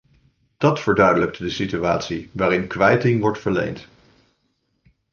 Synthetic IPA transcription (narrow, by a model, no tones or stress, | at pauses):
d̥ɑtfəɹdœɥdələk̚tdəsityaːtsiʋaːɾɪnkʋɛjtɪŋʋɔɹtfəɹlḛjnt